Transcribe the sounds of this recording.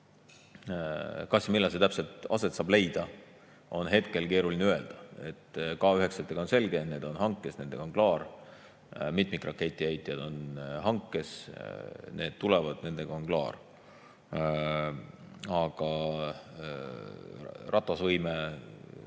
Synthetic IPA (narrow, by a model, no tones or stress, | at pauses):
kɑsjɑmilːɑs̬et̪æpse̞lt̪ˑɑ̰se̞t̪sɑːb̥le̞jd̪̥ɑ | o̞nɦe̞t̪ke̞lke̞ːɾulineøe̞ld̪̥ɑe̞t̪ːˑkɑːyɦe̞kset̪ːˑeɡ̥ɑonse̞lɡe̞ne̞ːd̪̥o̞nhɑŋkːˑe̞sne̞nd̪e̞ɡ̥ɑonklɑːr | mit̪ˑmikrɑkːˑe̞t̪ʲːˑiæjt̪ʲːˑijɑd̪̥o̞nɦɑŋkˑːe̞s | ne̞ːd̪̥t̪ulevɑd̪̥ne̞nd̪e̞ɡ̥ɑonklɑ̰ːr | ɑɡ̥ɑ | rʔɑt̪ˑːɑsvɤjme